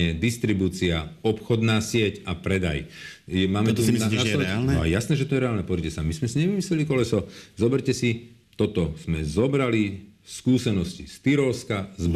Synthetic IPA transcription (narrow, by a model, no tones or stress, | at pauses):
ɛd̪ist̪ɾibuːt͡siaɔpxɔd̪naːsɪɛcapɾɛd̪a̰jjɛmaːmɛt̪uaaɛalnɛ̰ɛ̰jasnɛːʒɛt̪ɔjɛɾɛaːlnɛpɔzɾicɛsamizmɛsiɲɛʋimislɛlikɔlɛsɔzɔbɛɾcɛsi | t̪ɔt̪ɔz̥mɛzɔbɾaliskuːsɛnɔscist̪iɾɔskazb